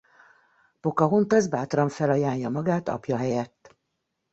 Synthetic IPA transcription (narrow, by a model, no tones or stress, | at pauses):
po̞kɒɦont̪ɒzbaːt̪rɒɱfɛlɒjaːɲjɒmɒɡaːt̪ɒ̰pjɒɦɛjɛt̪ː